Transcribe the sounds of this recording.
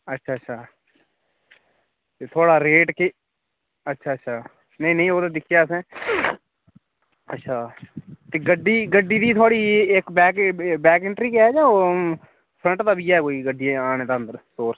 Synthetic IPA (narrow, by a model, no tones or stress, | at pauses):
ətːʃʰaːətːʃʰaː | t̪eːt̪ʰoːɽaːɾeːʈkeː | ətːʃʰaːətːʃʰaː | nəĩːnəĩːoːt̪ãd̪ɪkʰːjaːsɛ̃ː | ətːʃʰaːt̪eːɡəɖːiːɡəɖːiːd̪iːt̪ʰaːɽiːekbɛːkbɛːkɪɳʈɾiːkɛːd͡ʒãːoː | pʰɾə̃ɳʈt̪aːbiːɛːkoːiːɡəɖiːɛ̃aːñẽːd̪aːə̃nd̪əɾsoːɾ